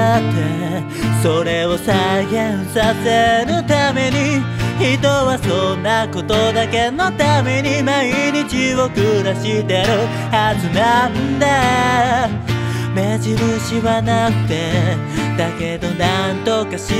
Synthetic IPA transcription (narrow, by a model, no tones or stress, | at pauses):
t̪ːe̞ | soɾe̞o̞saɡẽɰ̃sase̞ɾɯ̟t̪ame̞ɲ̟içit̪o̞βasonːako̞t̪o̞d̪ake̞no̞t̪ameɲ̟imaiɲ̟it͡ɕiβokɯ̟d̪aɕit̪e̞ɾɯ̟ | hazɨnannd̪a | me̞ʑiɾɯ̟ɕiβanakɯ̟̥t̪e̞d̪ake̞d̪o̞nant̪o̞kaɕi